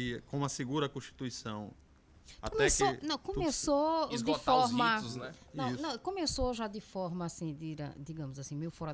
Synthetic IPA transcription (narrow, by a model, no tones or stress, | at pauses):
iɐkõɐseɡuɾɐkõʃt̪i̥t̪uisɐ̃w̃ | akkõmɛsnɐ̃w̃kõmesod̪ɪfɔɾmɐznɛnɐ̃w̃nɐ̃w̃kõmesoʒad̪ɪfɔɾmɐːsĩd̪iɾɐ̰d̪iɡɐ̃mʊzasĩmejʊfɔɾɐ